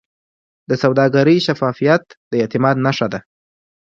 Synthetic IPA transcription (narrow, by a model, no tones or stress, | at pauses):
d̪̥əsawd̪ɑɡaɾəjʃafɑfijat̪d̪̥əet̪ɪmɑd̪naʂad̪a